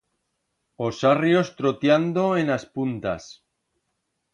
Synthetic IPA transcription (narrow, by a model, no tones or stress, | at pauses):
o̞sarjo̞st̪ɾot̪jand̪o̞enaspunt̪a̰s